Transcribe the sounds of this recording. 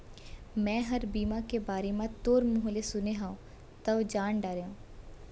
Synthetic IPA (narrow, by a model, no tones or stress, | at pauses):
mɛ̃ːɦɐɾbiːmakebaːɾemãt̪oːɾmʊɦlesʊneɦãːũ | t̪ɐʋd͡ʒaːnɖaːɾeãː